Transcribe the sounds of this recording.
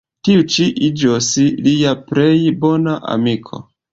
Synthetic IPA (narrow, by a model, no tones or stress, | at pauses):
tiut͡ʃiʔid͡ʒosliapɾejbo̞naʔa̰mikʰo̞̰